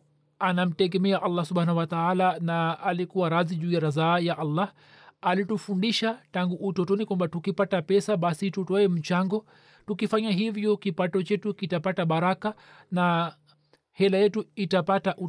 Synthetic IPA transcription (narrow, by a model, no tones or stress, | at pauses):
anam̩tɛɡɛmɛaʔalːasɔbhaːnahuwataalanaːlikuwaɾaziʄuːjaɾazajaʔalːa | alitufundiʃataŋɡuʔːtɔtɔnikwambatukipatapɛsaɓasitutɔɛm̩t͡ʃaŋɡɔ | tukifaɲaɦivjɔkipatɔt͡ʃɛtukitapataɓaɾaka | na | hɛlajɛtuitapataʔu